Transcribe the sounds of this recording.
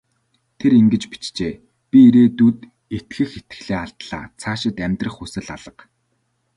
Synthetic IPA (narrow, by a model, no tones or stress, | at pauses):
t̪ʰeɾiŋɡɘ̆t͡ɕpi̥t͡ɕt͡ɕeː | pʲiiɾeːt̪ut̪ | et̪xɘ̆xet̪ɘ̥̆ɮeːaɬt̪ɮa̰ːt͡sʰaːʃɪ̆t̪æmʲt̪rə̆χusɘ̆ɮaɮə̆q